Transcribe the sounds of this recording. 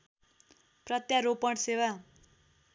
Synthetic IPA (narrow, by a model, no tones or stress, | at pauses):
prʌt̪jaɾopʌɽsewa